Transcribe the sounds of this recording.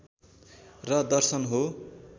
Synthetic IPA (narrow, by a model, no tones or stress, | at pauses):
rʌd̪ʌrsʌnɦo